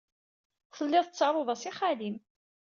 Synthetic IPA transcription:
θəlːɪðˤət͡sːɑɾˤoðˤɑsiχalim

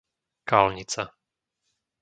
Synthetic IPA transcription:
kaːlɲit͡sa

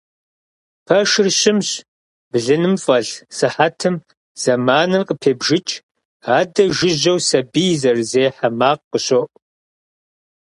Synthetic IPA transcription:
pʰɐʃɪrɕɪmɕ | b̥ɮɨnɨmfʼɐɮsɨħatʰɨm | z̥ɐmaːnɨrqʼəpʰeːbʒɪt͡ʃʼʰ | aːdɐʒɪʑɐwsɐbijzɐrzeːħamaːqqəɕoʔʷʼ

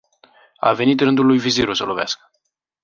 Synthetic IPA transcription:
a̰ve̞nit̪ɾɨnd̪ulːujviziɾusəlovea̰skə̥

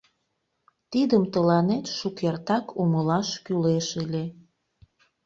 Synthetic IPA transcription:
t̪id̪əmt̪əlɑnet̪ʃukert̪ɑkʰuməlɑʃkyleʃilʲe

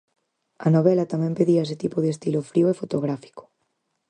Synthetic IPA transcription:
anoβ̞elat̪amɛ̃mpeðiaes̬et̪ipoðest̪ilofɾiwefot̪oɣ̞ɾafi̥ko̥

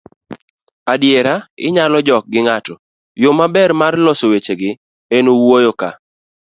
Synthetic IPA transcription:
adjeɾaɪ̰ɲalɔd͡ʒɔk̚ɡɪŋatɔ | jomabɛɾmarlɔsowet͡ʃeɡɪ | enowojoka̰

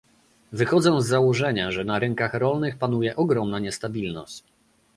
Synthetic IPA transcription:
vɘxɔd̪zɔ̃w̃zːawɔʐɛɲaʐɛnaɾɛŋkaxɾɔlnɘxpan̪ujɛʔɔɡɾɔmnaɲɛst̪abʲilnɔ̰ɕt͡ɕ

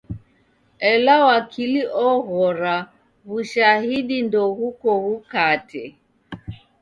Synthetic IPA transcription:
ɛlawakʰiliʔɔɣɔɾa | βuʃaɦiɗindɔhukɔhukatɛ

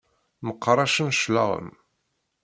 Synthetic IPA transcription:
məqːɾˤɑʃənʃlɑ̰ʁə̰m

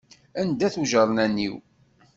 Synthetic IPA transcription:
ænd̪æθuʒəɾˤnænːḭw

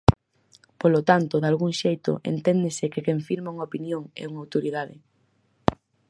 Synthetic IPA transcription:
polot̪ant̪ʊðalɣuŋʃejt̪ʊ̰ʔḛnt̪ɛnd̪ɪsɪkekeɱfiɾmauŋaopinjoŋɛ̰uŋawt̪oɾiðaðɪ̰

